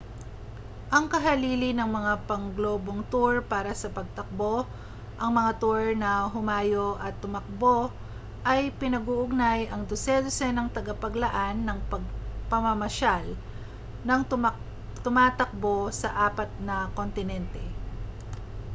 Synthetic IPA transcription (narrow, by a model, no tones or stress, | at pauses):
ʔɐŋkɐɦɐliːlɪnɐŋmɐŋapɐŋɡlo̞ːbo̞ŋt̪uɹpaːɾɐsɐpɐɡ̚t̪ɐk̚bo̞ | ʔɐŋmɐŋat̪uɹnɐɦʊmaːjoʔɐt̪ːʊmɐk̚bo̞ | ʔɐjpɪnɐɡuʔʊɡ̚najɐŋd̪ʊsɛd̪osɛnɐŋt̪ɐɡapɐɡlɐʔanːɐŋpɐɡ̚pɐmɐmɐʃal | nɐŋ | t̪ʊmaːt̪ɐk̚bo̞sɐʔaːpɐt̪̚nɐkont̪ɪnɛnt̪ɛ